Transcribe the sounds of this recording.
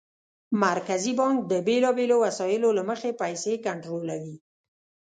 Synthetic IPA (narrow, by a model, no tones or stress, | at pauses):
maɾkazibɑŋk̚d̪əbelɑbelowasɑjɪlolaməxepajsekaɳʈɾolawi